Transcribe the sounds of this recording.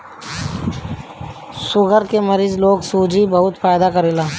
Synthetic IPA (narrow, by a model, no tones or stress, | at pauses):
sʊɡʱəɾkeməɾiːzloːɡsuːd͡ʒibəɦʊt̪faːjd̪akəɾeːlaː